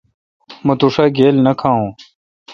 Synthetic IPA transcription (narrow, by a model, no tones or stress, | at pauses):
mɐt̪uʂaːɡeːlnɐkʰaːũː